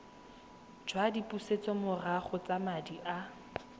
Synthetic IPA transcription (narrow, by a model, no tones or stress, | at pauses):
d͡ʒwadipʼuset͡sʼɔmʊraχʊt͡sʼamadiʔa